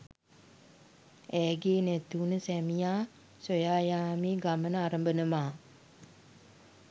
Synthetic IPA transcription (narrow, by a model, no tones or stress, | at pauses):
æːɡeːnæt̪uːnəsæmijaː | sojaːjaːmiːɡamənəaɾəmbənəmaː